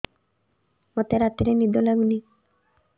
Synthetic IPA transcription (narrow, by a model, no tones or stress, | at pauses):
mɔt̪eɾat̪iɾenid̪olaɡuni